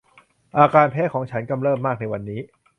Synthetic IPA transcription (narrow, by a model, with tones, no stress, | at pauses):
ʔaː˧kaː˧npʰeː˦˥t̚kʰɔː˩˦ŋt͡ɕʰa˦˥nka˧mɾɤː˥˩mːaː˥˩k̚na˧jwa˧nːiː˦˥